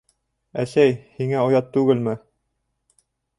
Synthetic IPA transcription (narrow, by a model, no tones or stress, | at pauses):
æsæjhiŋæŏjɑt̪ːʉɡɘlmɘ